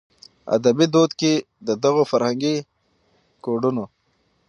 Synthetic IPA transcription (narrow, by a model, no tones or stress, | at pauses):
a̰d̪abid̪od̪ke | d̪əd̪aɣofaɾhaŋɡi | koɖuno